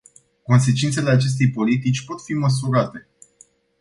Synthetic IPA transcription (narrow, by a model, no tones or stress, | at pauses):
ko̞ns̬e̞t͡ʃint̪se̞le̞at͡ʃe̞s̬t̪e̞jpo̞lit̪it͡ʃʲpo̞t̪fiməs̬uɾat̪e̞